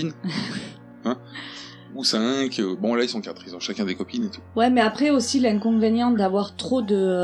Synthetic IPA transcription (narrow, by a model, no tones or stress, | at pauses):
in | ɛ̃ | usɛ̃kʰøbɔ̃lailsɔ̃kat̪χizd̪ɑ̃ʃakʲɛ̃d̪ekɔpinet̪u̥wɛmɛapχɛosilɛ̃kɔ̃venjɑ̃d̪avwaʁt̪χod̪ə